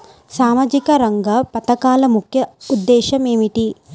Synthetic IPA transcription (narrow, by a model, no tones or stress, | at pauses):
saːmaːd͡ʒikɐɾɐŋɡɐpɐt̪ɐkaːlɐmukʰjɐud̪ːɛːʃɐmeːmiʈi